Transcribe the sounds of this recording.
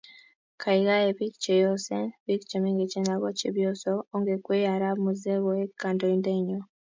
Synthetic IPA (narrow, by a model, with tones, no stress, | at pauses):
kʰa˨iɣa˦e˨βi˦kt͡ʃe˨jo˦senβi˦kt͡ʃe˨miŋɡe˨t͡ʃe˦na˨ɣo˦t͡ʃiβjo˦soo˦ŋɡekwe˦ja˨ɾa˦mu˨ze˦βoe˦kːa˨ndo˨inde˦ɲo